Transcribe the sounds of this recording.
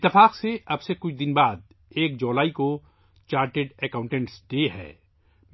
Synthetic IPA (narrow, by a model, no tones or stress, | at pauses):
ɪt̪ːɪfaːqseɐbsekʊt͡ʃʰd̪ɪnbaːd̪̚ | eːk̚d͡ʒoːlaːiko | t͡ʃaːɾʈeɖɛkãːʊ̃ɳʈɛ̃ɳʈsɖeːɦɛ̰ː | m